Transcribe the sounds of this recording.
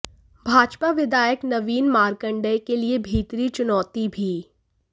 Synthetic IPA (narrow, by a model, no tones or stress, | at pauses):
bʱaːd͡ʒpaʋɪd̪aːjəknɐʋiːnmaːɾkə̃ɳɖəjkeliebʱiːt̪ɾit͡ʃʊnɔːt̪ibʱiː